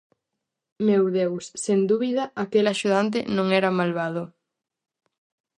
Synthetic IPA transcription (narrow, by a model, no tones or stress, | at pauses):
mewðewsːend̪uβiðɐakelaʃuð̞ant̪̬ɪ̰nõŋɛɾɐmalβaðʊ